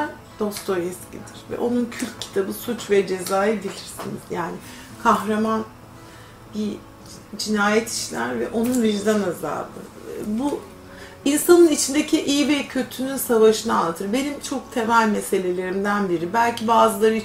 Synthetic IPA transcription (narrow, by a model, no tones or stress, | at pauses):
d̪̥o̞st̪ʰojɛscʰḭd̪iɾ̥vɛ̰ʔo̞nuncʰylʲc̪̚cʰi̥t̪ʰabɯsut͡ʃvɛd͡ʒe̞zaːjɯbilʲiɾsḭnḭz̥jaːnɪ | kʰaxɾaman | bi | d͡ʒinaːjɛt̪ʰi̥ʃlʲæ̰ɾvɛ̰ʔo̞nunviɾd̪anaza̰ːb̪ɯ̰ | bu | insanɯnit͡ʃʰind̪ecʰiʔijvɛcʰø̞t̪ʰynynsavaʃɯnaalˠt̪ʰɯɾbe̞nimt͡ʃʰo̞k̚t̪ʰevælʲmese̞lʲe̞lʲe̞ɾimd̪ænbiɾibælʲcʰibaːzɯlˠaɾɯ